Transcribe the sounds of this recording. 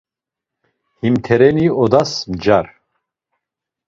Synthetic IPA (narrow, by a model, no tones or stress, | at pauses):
himt̪ʰɛɾɛniɔd̪asmd͡ʒaɾ